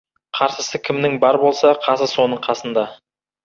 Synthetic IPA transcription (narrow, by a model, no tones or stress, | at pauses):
qʰɑɾsəsəkʲʰɪmnɪŋbɑɾbo̞lˠsɑqʰɑsəso̞nəɴqʰɑsənd̪ɑ